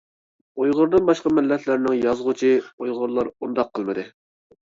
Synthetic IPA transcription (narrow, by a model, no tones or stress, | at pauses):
ojʁʊɾd̪ɨnbɑʃqɑmɪlːɛt̪ʰlɪɾnɪŋjɑzʁʊt͡ʃʰiojʁʊɾlˠɑɾund̪ɑqʰːəlˠmɨd̪ɨ